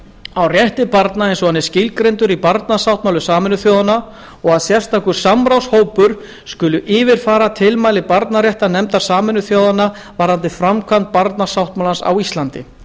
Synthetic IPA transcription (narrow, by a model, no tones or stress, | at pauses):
awrjɛht̪ɪpaɾt̪naejnsɔanːɪscɪlkɾejnt̪ʏɾipaɾt̪nasawht̪mawlʏsaːmɪnʏθjoːwðana | ɔɣaðsjɛr̥st̪ʰakʏ̥samɾawshoːwpʏɾ̥ | skʏːlʏʔɪːvɪɾ̥faːɾat̪ʰɪlmaːjlɪpaɾt̪naɾrjɛht̪anɛmt̪ḁsaːmɪnːʏθjowðanːa | vaɾant̪ɪfɾamkʰvant̪̚paɾt̪nḁsawht̪mawlansa̰wist̪lant̪ɪ̰